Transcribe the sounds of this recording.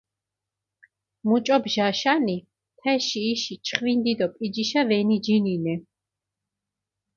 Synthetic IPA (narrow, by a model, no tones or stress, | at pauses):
mut͡ʃʼɔbʒaʃani | t̪ʰɛʃiːʃit͡ʃʰχvind̪id̪ɔpʼid͡ʒiʃavɛnid͡ʒininɛ